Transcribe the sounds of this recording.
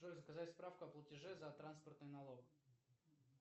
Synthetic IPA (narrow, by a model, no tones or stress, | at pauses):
ʐolʲzəkɐzatʲspɾafkʊɐplˠətʲɪʐɛzɐt̪ɾanspərt̪nɨjnɐlˠok